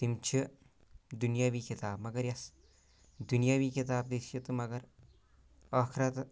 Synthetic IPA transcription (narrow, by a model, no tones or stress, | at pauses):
t̪imt͡ʃʰi | d̪unjaːʋiːkit̪aːbmɐɡɐɾjɐs | d̪unjaːʋiːkit̪aːb̚d̪isɐt̪umɐɡɐɾ | ɐkʰɾɐt̪